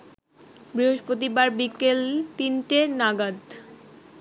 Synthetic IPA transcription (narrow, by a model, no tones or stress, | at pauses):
bɾiɦoʃpɾot̪̬ibaɾbikelt̪inʈenaɡad̪